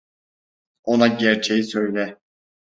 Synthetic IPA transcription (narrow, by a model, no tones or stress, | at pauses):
onaɟæɾt͡ʃʰejisø̞jlʲɛ